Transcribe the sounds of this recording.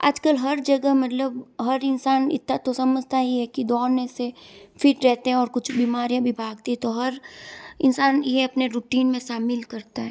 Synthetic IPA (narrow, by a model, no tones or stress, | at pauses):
a̰ːd͡ʒkəlɦɐɾd͡ʒɐɡəmɐt̪ləbɦɐɾɪnsaːnɪ̰t̪at̪osɐməd͡ʒʱt̪aiɦɛkid̪ɔːnẽsefɪʈɾɛɦt̪eɦɛ̃ɔːɾkʊt͡ʃʰbiːmaːɾijãbʱibʱaːɡt̪iɦɛ̃t̪oɦɐɾɪnsaːnjeɐpneɾuːʈiːnmẽʃaːmɪlkɐɾt̪aɦɛ